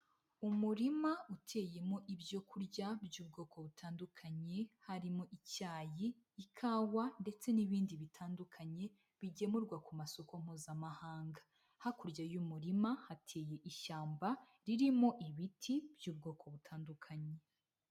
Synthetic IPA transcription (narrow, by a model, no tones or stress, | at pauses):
umuɾimautʰe̞ːje̞mo̞ʔibjo̞kʰuɾɟabjuːb̚ɡo̞ːko̞βutʰaːndukʰaɲe̞haɾimoʔicaːjiː | kʰaːwande̞t͡se̞niβiːndiβitʰaːndukʰaɲe̞ | βiɟe̞muɾɡwakumaso̞ko̞m̥huːzamahaːŋɡa | hakuɾɟajumuɾimahatʰeːje̞ʔiʃaːmba | ɾiɾimo̞ʔiβitʰibjuːb̚ɡo̞ːko̞βutʰaːndukʰaɲe̞